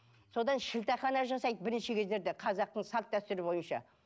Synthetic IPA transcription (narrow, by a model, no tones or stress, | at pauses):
so̞d̪ɑnʃɪlt̪ɑχɑnɑʒɑsɑjd̪əbɪɾɪnʃɪkʲʰe̞zd̪e̞ɾd̪eqʰɑzɑq̚t̪əɴsɑlˠt̪̚d̪æst̪ʏɾɪbo̞jənʃɑ̰